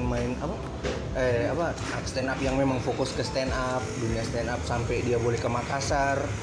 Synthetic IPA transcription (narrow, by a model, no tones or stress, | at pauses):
nmaɪnapa | ɛapa | st̪ɛnapjaŋmemaŋfokʊskəst̪ɛnap̚duniast̪ɛnap̚sampɛdiabolɛhkəmakasar